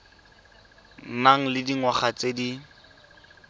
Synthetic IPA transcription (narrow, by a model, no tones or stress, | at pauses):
naŋ̩lɪdiŋwaχat͡sedi